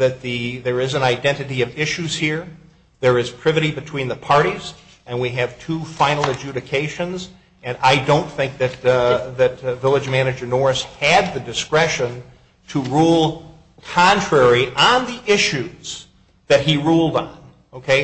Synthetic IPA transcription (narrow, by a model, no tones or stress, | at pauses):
ðɨt̪̚ðɨðə˞ɪzɨ̃naɪdɛ̃ñtɨɾiʌvɪʃʉz̥hiɹ | ðə˞ɨz̥pʰɹ̥ɪvɨɾibɨtʰw̥ĩnðəpʰɑɹɾiz | ɨ̃nwiɨv̥tʰufãɪ̃nl̩ˠɨd͡ʒʉɾɨkʰeɪʃɨ̃nz | ɨ̃naɪdõʊ̃nθɪ̃ŋk̚ðɨt̪̚ðɨt̪vɪlˠɨd͡ʒmænɨd͡ʒə˞nɔɹɨshɨd̪̚ðɨdɨskɹɛʃɨ̃n | tʰəɹulˠ | kʰɑ̃ntɹ̥ɛɹiʔə̃nðiʔɪʃʉz̥ | ðɨt̚hiɹulˠdn̩ | oʊkʰeɪ